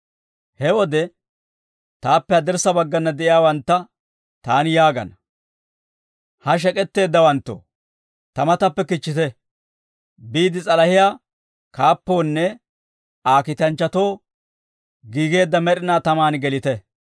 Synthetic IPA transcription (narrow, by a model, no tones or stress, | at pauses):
hɛwɔd̪ɛ | t̪aːpːɛɐd̪ɪɾsɐbɐɡːɐnːɐd̪ɛʔɪjaːwɐnt̪ːɐ | t̪aːnɪjaːɡɐ̰nɐ | hɐʃ̬ɛkʼɛt̪ːe̞ːd̪ːɐwɐnt̪ːo̰ | t̪ɐmɐt̪ɐpːɛkɪt͡ʃːɪt̪ɛ | biːd̪ɪt͡sʼɐlɐhɪjaː | kaːpːo̞ːnːɛ | aːkɪt̪ɐnt͡ʃːɐt̪o̞ː | ɡiːɡe̞ːd̪ːɐmɛɾɪnaːt̪ɐmaːnɡɛlɪt̪ɛ